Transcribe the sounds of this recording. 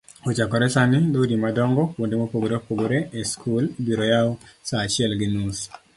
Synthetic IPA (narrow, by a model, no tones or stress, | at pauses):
ot͡ʃakɔɾɛsanɪdaudimadɔŋɡɔwondemopoɡoɾeopoɡoɾeeskʰulbiɾojaosaːt͡ʃɪɛlɡɪnus